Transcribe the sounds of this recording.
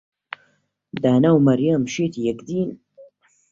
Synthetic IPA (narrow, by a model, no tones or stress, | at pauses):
d̪aːnawmɐɾjamʃeːt̪ʰijɛkd̪iːn